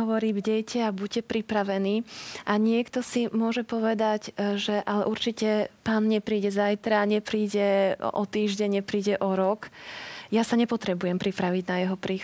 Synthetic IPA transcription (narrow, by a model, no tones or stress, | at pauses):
ɦɔʋɔɾiːbɟɛjcʰɛabuɟ̚cɛpɾipɾaʋɛniːʔaɲɪɛkt̪ɔsimʊɔʒɛpɔʋɛd̪aɟʒɛʔalɛʔuɾt͡ʃicɛpaːnɲɛpɾiːɟɛzajt̪ɾaːɲɛpɾiːɟɛɔ̰t̪iːʒɟɛɲɲɛpɾiːɟɛʔɔɾɔkjasaɲɛpɔt̪ɾɛbujɛmpɾipɾaʋiɟnajɛɦɔpɾiːx